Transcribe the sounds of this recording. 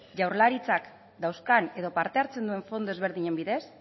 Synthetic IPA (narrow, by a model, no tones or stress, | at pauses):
ʝawɾlaɾit͡sak | d̪awskane̞ðo̞paɾt̪e̞aɾt͡se̞nd̪ue̞ɱfo̞nd̪o̞e̞zβ̞e̞ɾðiɲe̞mbiðe̞s